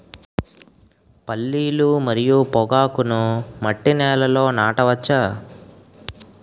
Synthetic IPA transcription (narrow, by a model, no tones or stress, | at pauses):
pɐlːiːlumɐɾijupɔɡaːkunumɐʈːinɛːlɐlo̞ːnaːʈɐʋɐt͡ʃːaː